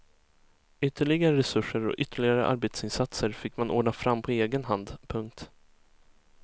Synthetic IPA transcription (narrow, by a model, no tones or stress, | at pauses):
ʏt̪ʰːəɭɪɡaɾəɾɛsɵʂːəɾɔ̰ʔʏt̪ʰːəɭɪɡaɾəʔa̰ɾbeːt̪sɪnsat̪səɾfɪkːmanʔɔːɖɳafɾamːpʰɔeːɡənɦand̪pʰɵŋk̚t̪